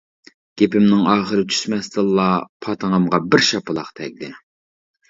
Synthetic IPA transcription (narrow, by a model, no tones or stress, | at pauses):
ɡ̥ʲepɪmnɪŋɑːχəɾɨt͡ʃ̪ʰy̥ʃmɛst̪ɨlˠːɑpʰɑt̪ʰəŋɑmʁɑbɪɾʃɑpɨlˠɑqt̪ʰɛk̚ʲd̪ɪ